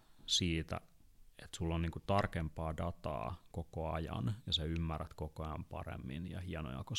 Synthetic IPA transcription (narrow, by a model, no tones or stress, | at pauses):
siːt̪æ̰et̪sulːonniːŋkut̪ɑrkempɑːdɑt̪ɑ̰ːkokoɑjɑ̰njɑseymːæræt̪kokoɑjɑmpɑ̰rḛmːḭnjɑ̰hiɑno̰jɑ̰ko